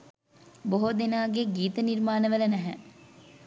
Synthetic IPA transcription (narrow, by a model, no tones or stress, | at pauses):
boɦod̪enaːɡeɡiːt̪əniɾmaːnəʋələnæɦɛ